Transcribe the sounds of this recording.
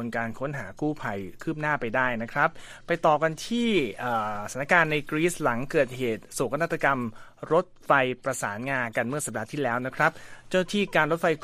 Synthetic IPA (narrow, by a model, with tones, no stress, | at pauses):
nkaː˧nkʰo˦˥nɦaː˩˦kuː˥˩pʰa˧jkʰɯː˥˩p̚naː˥˩pa˧jdaː˥˩jna˦˥kʰɾa˦˥p̚ː | a˧jt̪ɔː˨˩ka˧nt̪ʰiː˥˩ʔaː˨˩sa˩˦na˥kaː˧nːa˧jkɾiː˦˥sla˩˦ŋkɤː˨˩t̪̚heː˨˩t̪̚su˨˩kʰa˧na˥t̪ɾa˧ka˧mɾo˦˥t̪̚fa˧jpɾa˧saː˩˦nŋaː˧nka˧nmɯ˥˩sa˨˩daː˧t̪ʰiː˥˩lɛː˦˥wna˦˥kʰɾa˦˥p̚t͡ɕa˥˩na˥t̪ʰiː˥˩kaː˧nɾo˦˥t̪̚fa˧j